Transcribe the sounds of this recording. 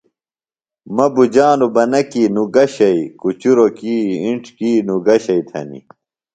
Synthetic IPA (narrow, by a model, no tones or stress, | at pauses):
mɐbud͡ʑaːnubɐnɐkiːnuɡɐɕɐikut͡ɕuɾokiːiɳʈkiːnuɡɐɕɐit̪ʰɐ̰nḭ